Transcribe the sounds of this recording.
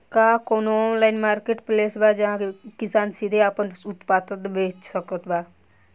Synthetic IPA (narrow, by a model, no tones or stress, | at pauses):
kakoːnonlaːɪnmaːɾkeːʈpleːsbad͡ʒɐɦãkkɪsaːnsid̪ʱeaːpənʊt̪paːt̪ət̪bʱeːt͡ʃsəkət̪baː